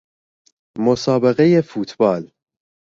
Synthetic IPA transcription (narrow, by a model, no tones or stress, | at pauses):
mosɒːbeɣe̞je̞fuːt̪ʰbɒːl